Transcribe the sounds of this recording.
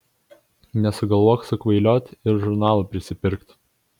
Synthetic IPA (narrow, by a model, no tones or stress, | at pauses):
nʲɛsʊɡɐlˠʋoɔksʊkʋɐɪlʲoːt̪ʲɪɾʒʊɾnɑːlˠɐpʲɾʲɪsʲɪpʲɪɾkt̪